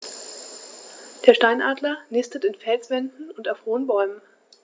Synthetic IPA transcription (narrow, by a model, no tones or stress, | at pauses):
d̥eːɐʃtaɪnʔaːdlɐnɪstətɪnfɛlsv̥ɛndn̩ʊntaʊfhoːənbɔʏmən